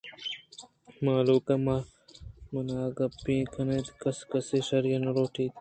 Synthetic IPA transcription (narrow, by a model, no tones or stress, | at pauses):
maːluːkɐma | mɐnaːɡɐpĩːkʰɐnet̪kɐskɐseʂɐɾjɐnɐɾoːʈiːt̪